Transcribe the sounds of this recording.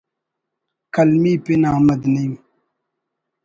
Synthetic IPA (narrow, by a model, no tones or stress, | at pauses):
kɐlmiːpinaːmɐd̪nɐjũ